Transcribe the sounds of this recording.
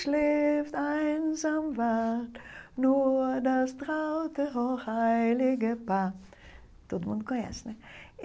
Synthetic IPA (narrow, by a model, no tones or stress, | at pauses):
ʃleftaɪnzamvatnudastʁaʊtəɦoχhaɪɪlɪɡəpaː | d̥otmʊntkʰʊ̃nɛ̰snɪ